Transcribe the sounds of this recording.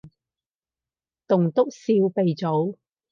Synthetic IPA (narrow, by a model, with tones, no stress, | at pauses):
t̪ʊ˨˩ŋt̪ʊ˥k̚siː˧wpe˨jt͡so˨˥w